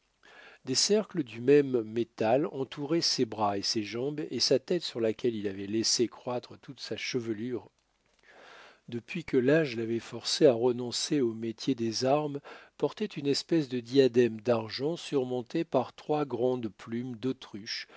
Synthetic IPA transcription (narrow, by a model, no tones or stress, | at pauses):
d̪esɛʁkləd̪ymɛmːet̪alɑ̃t̪uʁɛsebʁaeseʒɑ̃besat̪ɛt̪syʁlakʲɛlilavɛlesekχwat̪χət̪ut̪saʃəvəlyːʁ | d̪əpɥikəlaʒlavɛfɔʁseaʁənɔ̃seomet̪ʰjed̪ezaʁmpɔʁt̪ɛt̪ynɛspɛsd̪əd̪iad̪ɛmd̪aʁʒɑ̃syʁmɔ̃t̪epaʁt̪χwaɡʁɑ̃d̪plymd̪ot̪χyʃ